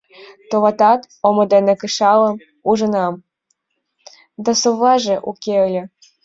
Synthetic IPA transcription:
t̪oβɑt̪ɑt̪ | omɤ̆d̪enekɨʃɑlɤ̆m | uʒə̆nɑm | d̪ɑsoβɑʒĕʔukʲeolʲɘ̆

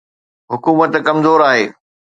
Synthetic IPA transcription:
ɦʊkuːmət̪kɐmzoːɾaːɦeː

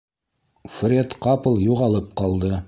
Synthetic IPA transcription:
frʲet̪qɑpəlˠjuʁɑlˠɤp̚qɑlˠd̪ɤ

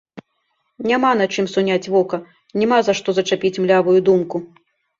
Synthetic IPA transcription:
nʲamanat͡ʂɨmsunʲat͡sʲvɔkɐ | nʲɛmazaʂt̪ɔzɐt͡ʂapʲit͡sʲmlʲavujud̪umku

